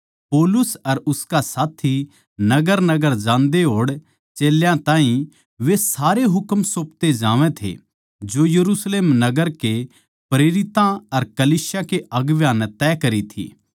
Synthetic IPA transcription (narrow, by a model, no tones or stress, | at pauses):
poːlʊsɐɾʊskasaːt̪ʰi | nɐɡəɾnɐɡəɾd͡ʒãːnd̪eɦoːɽ | t͡ʃeːljãt̪ãːɦĩ | ʋesaːɾeɦʊkmsoːpt̪ed͡ʒãːʋẽt̪ʰḛ | d͡ʒojɐɾuːsleːmnɐɡəɾke | pɾeːɾɪt̪ãɐɾkɐliːsjakeʔɐɡʋjãːnt̪ɛːkɐɾit̪ʰḭː